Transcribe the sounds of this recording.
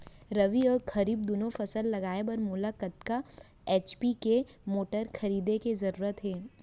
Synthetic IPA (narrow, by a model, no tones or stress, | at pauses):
ɾɐʋiɔːɾxɐɾiːb̚d̪ʊnõfɐsəlːɐɡaːebɐɾmʊlakət̪̚ka | eːt͡ʃpike | moːʈəɾkʰɐɾiːd̪ekezɐɾuːɾət̪ɦɛː